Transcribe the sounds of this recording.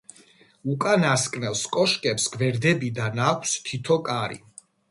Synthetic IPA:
ukʼanaskʼnɛlskʼɔʃkʼɛpsɡvɛɾd̪ɛbid̪anakʷʰst̪ʰit̪ʰɔkʼaɾḭ

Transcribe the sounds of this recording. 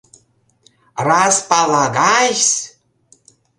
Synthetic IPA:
rɑspɑlɑɣɑʃs

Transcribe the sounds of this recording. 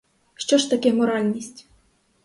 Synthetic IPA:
ʃt͡ʃɔʃt̪ɐkɛmɔɾɑlʲnʲisʲtʲ

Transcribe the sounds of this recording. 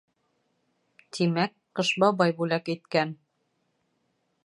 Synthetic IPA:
t̪ʰimæk | qɤ̆ʃbɑbɑjbulækit̪kæn

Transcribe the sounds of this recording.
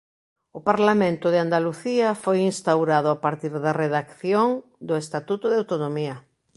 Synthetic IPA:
ʊpaɾlamẽnt̪ʊðɪand̪aluθiɐfojinst̪awɾaðʊapaɾt̪iɾðɐreðakθjoŋd̪ʊest̪at̪ut̪ʊðeawt̪onomiɐ

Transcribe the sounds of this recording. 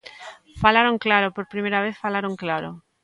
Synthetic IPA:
falaɾõŋklaɾopoɾpɾimejɾaβeθfalaɾõŋklaɾo

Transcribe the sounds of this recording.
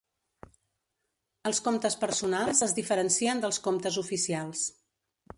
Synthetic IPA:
əlˠskomt̪əspəɾsunalˠzəzðifəɾənsiənd̪əlˠskomt̪əzufisialˠs

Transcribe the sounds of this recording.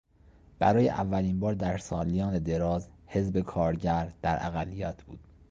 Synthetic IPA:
b̥æɾɒːjḛʔævːæliːnbɒːɾd̪æɾsɒːlijɒːne̞d̪e̞ɾɒːzhe̞zbe̞kʰɒːɾɟæɾd̪̥æɾʔæ̰ɣælːijɒːt̪ʰb̥uːd̪̥

